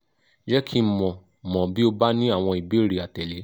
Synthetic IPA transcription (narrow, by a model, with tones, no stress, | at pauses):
d͡ʒɛ˦kʰi˦mɔ̃˨ | mɔ̃˨bi˨˦o˧ba˦nĩ˦a˦˨w̃ɔ̃˧i˨bi˨˦˨ɾi˨a˨tɛ˨le˨˦